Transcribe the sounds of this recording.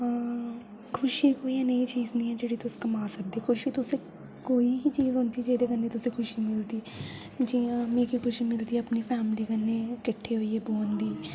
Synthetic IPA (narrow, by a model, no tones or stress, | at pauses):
kʰʊʃiːkoːiːãneĩːt͡ʃiːznĩːɦɛːd͡ʒeːɽiːt̪ʊskəmaːsək̚d̪eːkʰʊʃiːt̪ʊsẽː | koːiːɦit͡ʃiːzɦʊnd̪iːd͡ʒeːd̪eːkənːeːt̪ʊsẽːkʰʊʃiːmɪld̪iː | d͡ʒiːãmẽːkikʰʊʃiːmɪld̪iːəpniːpʰɛːmɪliːkənːeːkɪʈʰːeːɦoieːboːnd̪iː